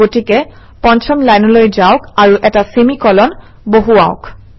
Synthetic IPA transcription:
otikɛ | pɔnt͡ʃʰɔmlajnɔlojzaʊkaɹuʔɛtasimikɔlɔn | boɦuaʊk

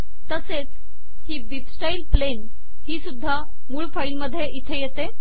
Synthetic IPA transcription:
t̪əset͡s | hiːbipsʈailplen | hiːsud̪ʱːa | muːɭfailməd̪ʱːjeʔit̪ʰejet̪e

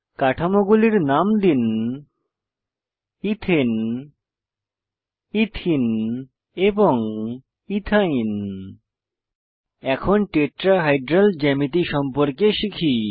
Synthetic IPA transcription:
kaʈʰamoɡuliɾnamd̪in | it̪ʰen | it̪ʰin | eboŋ | it̪ʰajn | ɛkʰonʈeʈɾaɦajɖɾald͡ʑɛmit̪iʃɔmpoɾkeʃikʰi

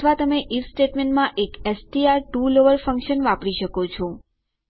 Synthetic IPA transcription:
t̪ʰʋat̪əmeʔifsʈeʈmeɳʈmãʔekɛsʈiaɾʈuloʋəɾfəŋkʃənʋapɽiʃəkot͡ʃʰɔ

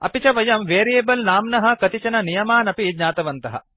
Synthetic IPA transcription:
ɐ̰pit͡ʃɐʋɐjɐmʋeːɾijeːbɐlnaːmnɐɦɐ̆kɐt̪it͡ʃɐnɐnijɐmaːnɐpid̪ɲaːt̪ɐʋɐnt̪ɐɦɐ̰

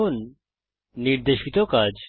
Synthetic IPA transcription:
onː | iɾd̪eʃit̪okad͡ʒ

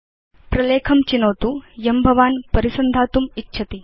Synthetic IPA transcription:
pɾɐleːkʰɐmt͡ɕinoːt̪ujɐmbʱɐʋaːnpɐɾisɐnd̪ʱaːt̪umitːɕʰɐt̪i

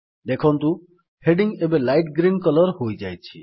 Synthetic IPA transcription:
d̪ekʰɔnt̪ũ | heɖiŋebelajʈɡɾinkɔlɔɾɦojd͡ʒajt͡ʃʰi

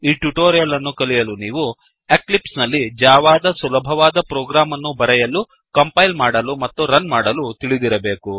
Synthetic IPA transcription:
iːʈuʈoːɾijɐlɐnːukɐlijɐluniːʋu | eklipsnɐlːid͡ʒaːʋaːd̪ɐsulɐbʱɐʋaːd̪ɐpɾoːɡɾaːmɐnːubɐɾɛjɐlu | kɐmpɐjlmaːɽɐlumɐt̪ːuɾɐnmaːɽɐlut̪iɭid̪iɾɐbe̞ːku

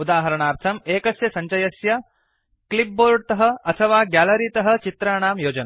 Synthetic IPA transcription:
ud̪aːɦɐɾɐɳaːɾt̪ʰɐmeːkɐsjɐsɐɲt͡ʃɐjɐsjɐ | klip̚boːɾɖt̪ɐɦɐ̆ɐt̪ʰɐʋaːɡaːlɐɾiːt̪ɐɦɐ̆t͡ʃit̪ɾaːɳaːmjoːd͡ʒɐnɐ

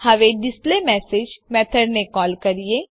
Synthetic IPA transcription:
həʋeːɖɪspleːmɛːseːd͡ʒmɛːt̪ʰəɾnekɔːlkəɾieː

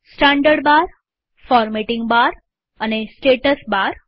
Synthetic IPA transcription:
sʈãɳɖəɽbaɾ | fɔɾmeʈiŋɡbaɾ | anesʈeʈəsbaɾ

